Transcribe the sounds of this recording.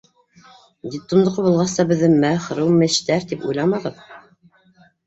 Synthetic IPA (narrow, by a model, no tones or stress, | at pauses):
d̪ʲit̪ːŭmd̪ŏqɤbulˠʁɑst̪ɑbɘ̆ðːɘmæχɾɤwmɘ̆ʃt̪æɾt̪ipṵjlˠɑmɑʁɤð